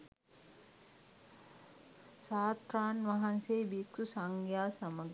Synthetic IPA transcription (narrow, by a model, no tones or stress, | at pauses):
saːt̪ɾaːnʋaɦanseːbiksusaŋɡjaːsɐməɡ